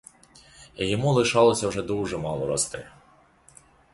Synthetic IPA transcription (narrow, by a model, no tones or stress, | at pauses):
ijɔmulˠɪʃɑlˠɔsʲɐwʐɛd̪uwʒɛmɑlˠɔɾɔst̪ɪ̰